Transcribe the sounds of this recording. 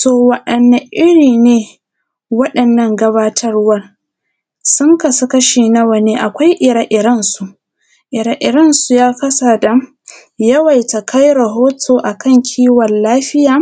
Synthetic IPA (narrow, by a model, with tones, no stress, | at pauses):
toː˨wɐ˨ɗɐ˨nːa˨ʔɪ˦ɽiː˨neː˨˦ | wɐ˦ɗɐ˨nːɐ˦ŋɡɐ˦baː˦tʰɐ˦rwɐ˦r | sʊ˦ŋkɐ˨sɐ˦kɐ˦ʃeː˨nɐ˦wɐ˨neː˨˦ʔa˨kʷa˦jʔɪ˨ɾa˨ʔɪ˨ɾɐ˦nsu˨ʔ | ʔɪ˨ɾa˨ʔɪ˨ɾɐ˦nsu˨jaː˦kɐ˦sa˨da˨ | jɐ˦wɐ˨jta˨kʰa˦jɾɐ˨ɦoː˦tʰoː˨ʔa˨kʰɐ˦ŋkʲʰiː˦wɐ˨lːaː˦ɸɪ˦jaː˨